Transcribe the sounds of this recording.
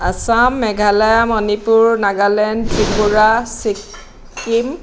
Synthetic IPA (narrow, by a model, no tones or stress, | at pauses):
asamːɛɡʱalajamɔnipuɹnaɡalɛntʰɹipuɹasikː | im